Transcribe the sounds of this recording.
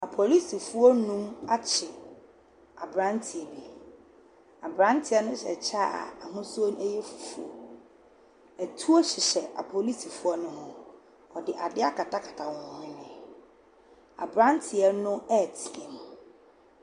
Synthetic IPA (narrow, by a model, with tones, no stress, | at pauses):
a˨pʰo˨li˦si˨fu˦ɔ˦nũ˦ma˦t͡ɕʰɪ˨ | a˨bɾã˦ntʰi˨ɛ˨bi˨ | a˨bɾã˦ntʰɪ˨ɛ˦nʊ̃˦ɕɛ̰˨t͡ɕʰa˦a̰˨a˨ɦʊ̃˦sʊ˦o˦n˦ɛ˦jɛ˦fu̥˨fṵ˦ɔ̰˨ | ɛ˨tʰu˦ɔ˦ɕɪ˨ɕɛ˨ʔa˨pʰo˨li˦si˨fu˦ɔ˦nʊ̃˦ɦʊ̃˦ | ɔ˨dɪ˨ʔa˨dɪ˦a˦kʰa˨ta˦kʰa˨tʰa˨wɔ˨˦ɪ̃˦nɪ̃˨ | a̰˨bɾã˦ntʰɪ˨ɛ˦nʊ̃˦ɛ˦˨tʰɪ̃˨m˨